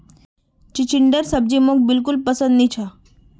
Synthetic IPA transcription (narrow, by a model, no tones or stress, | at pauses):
t͡ɕit͡ɕiɳɖəɾsəb̚d͡ʑimok̚bilk̬ulpəsənd̪nit͡ɕʰa